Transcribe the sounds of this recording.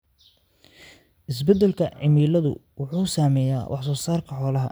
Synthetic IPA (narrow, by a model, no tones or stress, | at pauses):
ʔɪs̬bɛd̪ɛlkʰɐʕɪmiːlɐðʊ̰wʊħuːsaːmɛja̰ːwʔɑħsɔːsaːrkʰɐħɔːlɐɦɐ̰